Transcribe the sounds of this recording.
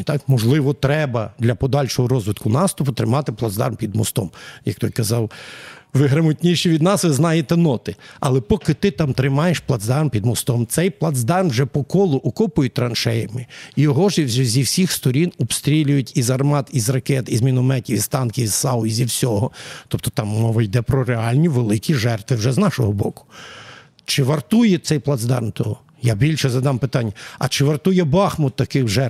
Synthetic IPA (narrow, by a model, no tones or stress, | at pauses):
t̪ɑkmɔʒlˠɪʋɔt̪ɾɛbɐd̪lʲɐpɔd̪ɑlʲʃɔɦɔɾɔzʋɪt̪kʊnɑst̪ʊpʊt̪ɾɪmɑt̪ɪplˠɐd̪zd̪ɑ̰rmpʲid̪mɔst̪ɔmjɐkt̪ɔjʲkɐzɑwʋɪɦɾɐmɔtʲnʲiʃiʋʲid̪nɑsʋɪznɑjet̪ɛnɔt̪ɪɐ̰lˠɛpɔkɪt̪ɪt̪ɑmt̪ɾɪmɑjeʃplˠɐd̪zd̪ɑrmpʲid̪mɔst̪ɔmt̪sɛjplˠɐd̪zd̪ɑrmwʒɛpɔkɔlˠʊʔɔkɔpʊjʊt̚ʲt̪ɾɐnʃɛjɐmɪijɔɦɔʒzʲiwsʲixst̪ɔɾʲinɔbst̪ɾʲilʲʊjʊtʲizɐrmɑt̪izrɐkɛt̪izmʲinʊmɛtʲiwʲizt̪ɑnkʲiwz̥sɑʊizʲiwsʲɔɦɔt̪ɔp̚t̪ɔ̥t̪ɑmːɔʋɐjd̪ɛpɾɔɾeɑlʲnʲiʋelˠɪkʲiʒɛrt̪ʋɪwʒɛznɑʃɔɦɔbɔkʊ̥ | t͡ʃɪʋɐrt̪ujɛtsɛjplˠɐd̪zd̪ɑ̰rnt̪ɔ | jabʲilʲʃɛzɐd̪ɑmpɪt̪ɑnʲːɐɐ̰t͡ʃɪʋɐrt̪ujɛbɑxmʊtt̪ːɐkɪxʒɛrt̪